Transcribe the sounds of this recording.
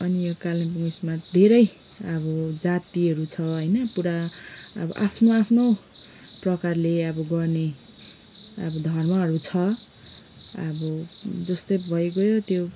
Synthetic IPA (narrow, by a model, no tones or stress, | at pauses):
ʌnijokalinpuŋismat̪d̪ʱeɾʌj | ʌbʌd͡zat̪iɦʌɾut͡sʰʌɦʌjnʌpuɾaʌ̰bʌ̰ʔapʰnoapʰno | prʌkarleʌbʌɡʌrne | ʌbʌd̪ʱʌrmʌɦʌɾut͡sʰʌ | ʌbʌd͡zʌst̪ojbʱʌekojot̪jo